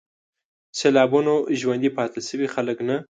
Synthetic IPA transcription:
selɑbunoʒwand̪ipɑt̪əlsəwixaləkna

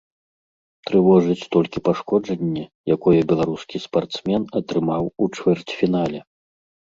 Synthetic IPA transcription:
t̪ɾɨvɔʐɨt͡sʲt̪ɔlʲkʲipaʂkɔd͡ʐɐnʲːɛjakɔjɛbʲɛlˠaɾuskʲispart̪smʲɛnɐt̪ɾɨmawut͡ʂvʲɛrt͡sʲfʲinalʲɛ

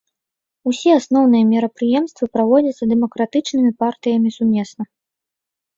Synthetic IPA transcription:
usʲiasnɔwn̪ɨjɐmʲiɾɐpɾɨjɛmst̪vɨpɾavɔd͡zʲɐt̪sːɐd̪ɛmɐkɾat̪ɨt͡ʂnɨmʲipart̪ɨjɐmʲisumʲɛsnɐ

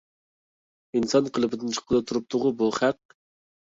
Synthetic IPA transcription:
insɑnqʰəlˠɨbɨd̪ɨnt͡ʃʰə̥qəlˠɨt̪ʰuɾup̚t̪ʰʊʁʊbuχæq

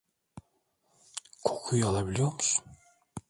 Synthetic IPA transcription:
kʰo̥kʰujɑlˠabilʲjomus

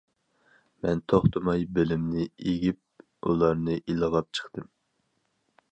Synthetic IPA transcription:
mɛnt̪ʰoχt̪ʰɨmɑjbɪlɪmnɪeɡʲip̚ | ulˠɑɾnɨʔilˠəʁɑp̚t͡ʃʰə̥χt̪ɨm

